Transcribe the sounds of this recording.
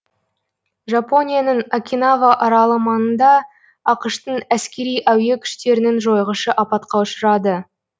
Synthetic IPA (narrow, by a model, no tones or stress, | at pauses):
ʒapo̞nʲijanəɴakʲinavɑʔɑɾɑlˠəmɑnənd̪ɑ | ɑqəʃt̪əɴæskʲe̞ɾijʔæwje̞kʲʰʏ̥ʃt̪e̞ɾɪnenʒo̞jʁəʃəʔɑpɑt̪qɑʊʃəɾɑd̪ə